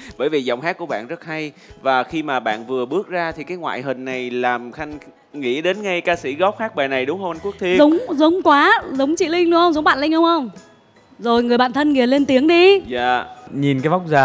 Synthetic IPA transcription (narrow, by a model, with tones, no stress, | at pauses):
ɓəː˧˩jvi˨˩zɔ̰˧˨ŋ͡mɦaː˦˥k̚ku˧˩əɓa̰ː˧˨nzə˦˥t̚ha˧jvaː˨˩xi˧maː˨˩ɓa̰ː˧˨nvɨ˨˩əɓɨ˦˥ək̚zaː˧t̪ʰi˨˩kaː˨˦jŋwa̰ː˧˨jɦï˨˩ŋ̟nːa˨˩jlaː˨˩mxa˧jŋ̟ | ŋḭ˧˥ɗe˨˦nŋa˧jkaː˧sḭ˧˩ɣɔ˦˥p̚haː˦˥k̚ɓaː˨˩jna˨˩jɗʊ˨˦wŋ͡mhə˧wʔa˧nku˦˥ək̚t̪ʰi˧əzʊ˨˦wŋ͡mzə˨˦wŋ͡mkwaː˨˦zə˨˦wŋ͡mt͡ɕḭ˧˨lï˧ŋ̟lhə˧wŋ͡mzə˨˦wŋ͡mɓa̰ː˧˨nlï˧ŋ̟hə˧wŋ͡mxə˧wŋ͡m | zo˨˩jŋɨ˨˩jɓa̰ː˧˨nt̪ʰə˧nŋi˨˩le˧nt̪i˨˦əŋɗi˧zaː˧˨ɲi˨˩nkaː˨˦jva˦˥wk͡p̚zaː˨˦